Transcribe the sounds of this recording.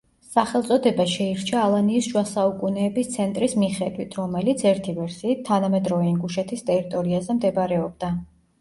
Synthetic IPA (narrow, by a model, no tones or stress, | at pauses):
saχɛlˠt̪sʼɔd̪ɛbaʃɛiɾt͡ʃʰaːlˠaniːsʒwasaukʼunɛːbist̪sʰɛnt̪ʼɾismiχɛd̪wit̪ʰɾɔmɛlit̪sʰɛɾt̪ʰivɛɾsiːt̪ʰːanamɛd̪ɾɔvɛiŋɡuʃɛt̪ʰist̪ʼɛɾit̪ʼɔɾiazɛmd̪ɛbaɾɛɔb̚d̪a